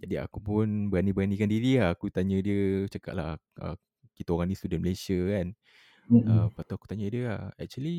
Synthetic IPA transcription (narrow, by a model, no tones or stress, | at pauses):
d͡ʒadia̰kupʊnbəɾanĩbəɾanĩkandiɾiahːkut̪aɲə̃diət͡ʃəka̰ʔlah | ʔə̰ | kit̪aoɣaŋnist̪udənməlesəkan | əmpat̪uaku̥t̪aɲə̃diəa̰hɛ̰k̚t͡ʃuəli